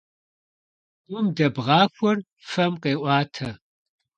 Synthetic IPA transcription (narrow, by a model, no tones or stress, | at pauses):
ʊmdɐbʁɑːxʷɔr | fɐmqeːʔʷɑːtʰɐ